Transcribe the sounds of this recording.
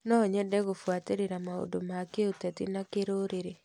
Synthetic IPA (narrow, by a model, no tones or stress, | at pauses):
nɔɲɛdɛɣofwateɾeɾamao̰domakeotɛtinakeɾoːɾeɾe